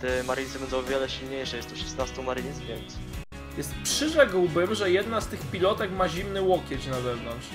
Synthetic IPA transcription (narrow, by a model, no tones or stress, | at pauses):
t̪ɛmaɾɲʲisɘbɛnd̪ɔ̃w̃ɔvʲjɛlɛɕilɲejʂɛjɛst̪ɔʂɛ̥snast̪umaɾiɲʲzvʲjɛnt̪s | jɛst̪pʂɘʐɛɡwbɘmʐɛjɛd̪nast̪ɘxpʲilɔt̪ɛkmaʑimnɘwɔkʲjɛt͡ɕnazɛvnɔntʂ